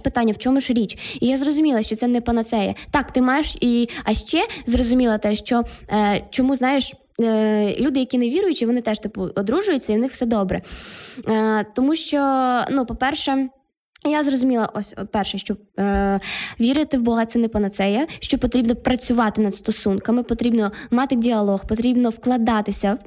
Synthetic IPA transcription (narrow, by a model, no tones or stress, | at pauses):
pɪt̪ɑnʲːɐwt͡ʃɔmʊʃɾʲit͡ʃijazrɔzʊmʲilˠɐʃt͡ʃɔt̪sɛnɛpɐnɐt̪sɛjɐ̰t̪ɑkt̪ɪmɑjeʃiɐʃt͡ʃɛzrɔzʊmʲilˠɐt̪ɛʃt͡ʃɔ | t͡ʃɔmuznɑjeʃ | lʲud̪ɪjɐkʲineʋʲiɾʊjʊt͡ʃɪʋɔnɪt̪ɛʃt̪ɪpʊɔd̪ɾuʒʊjʊt͡sʲːɐiwnɪxw̥sɛd̪ɔbɾɛ̰ | t̪ɔmuʃt͡ʃɔnupɔpɛrʃɛ | jazrɔzʊmʲilˠɐ̰ʔɔsʲɔpɛrʃɛʃt͡ʃɔ | ʋʲiɾɪt̪ɪwbɔɦɐt̪sɛnɛpɐnɐt̪sɛjɐʃt͡ʃɔpɔt̪ɾʲibnɔpɾɐt͡sʲʊʋɑt̪ɪnɐd̪st̪ɔsunkɐmɪpɔt̪ɾʲibnɔmɑt̪ɪdʲiɐlˠɔxpɔt̪ɾʲibnɔwklˠɐd̪ɑt̪ɪsʲɐw